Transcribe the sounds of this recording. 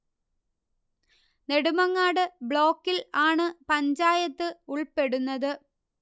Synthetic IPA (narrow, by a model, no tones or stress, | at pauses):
ne̞ɽumɐŋːaːɽɨbɭo̞ːkːilaːɳɨpɐɲd͡ʑaːjɐt̪ːɨuɭpeɽunːɐðɨ